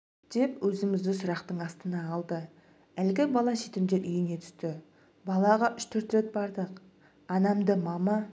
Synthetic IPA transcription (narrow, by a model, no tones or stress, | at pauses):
d̪̥e̞pwɵzɪmɪzd̪ɪsʊɾɑqt̪əɴɑst̪ənɑːlˠd̪ə | ælɡʲɪbɑlˠɑʃet̪ɪmd̪e̞ɾʏjɪne̞t̪ʰʏ̥st̪ɪ | bɑlˠɑʁɑʔʏʃt̪ʰɵɾt̪re̞t̪̚bɑɾd̪əq | ɑnɑmd̪əmɑmɑ